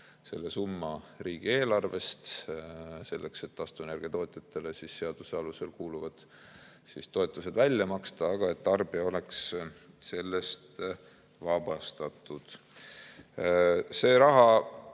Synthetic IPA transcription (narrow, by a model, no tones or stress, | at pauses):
se̞̰lːe̞sumːɑriːɡ̥ie̞ːlɑrve̞st̪ | se̞lːe̞kse̞t̪ːɑst̪une̞rɡ̥ijɑt̪o̞ːt̪ˑjɑt̪ːˑe̞le̞sisːe̞ɑd̪̥usɑluse̞lkuːluvɑd̪̥ | sist̪o̞e̞t̪ˑːuse̞d̪̥vælʲjɑmɑkst̪ɑɑɡ̥ɑe̞t̪ːɑrb̥iɑo̞le̞ks | se̞lːe̞st̪ | vɑb̥ɑst̪ɑt̪ˑud̪̥ | se̞ːɾɑɦɑ